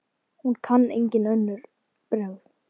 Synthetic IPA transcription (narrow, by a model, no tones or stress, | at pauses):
hunkʰanːejɲcɪnœnːʏɾ | pɾœwð